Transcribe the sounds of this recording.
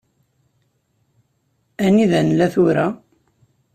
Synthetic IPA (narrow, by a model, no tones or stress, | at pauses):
æniðænlːæθuɾæ